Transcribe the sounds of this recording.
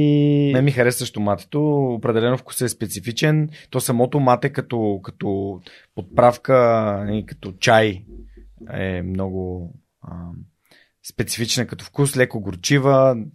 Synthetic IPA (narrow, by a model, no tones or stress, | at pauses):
inɛmixɐɾɛsvəʃt̪omat̪ɛ̥t̪oːpɾɛd̪ɛlɛnofku̥səːspɛt̪sifit͡ʃɛnt̪ɔsɐmɔt̪omat̪ɛkɐt̪ɔkɐ̥t̪ɔ | pot̪̚pɾafkənikɐ̥t̪ɔt͡ʃaj | ɛ̰mnɔɡʊ | ə | spɛt̪sifit͡ʃnəkɐt̪ɔfkuslɛkoɡoɾt͡ʃivə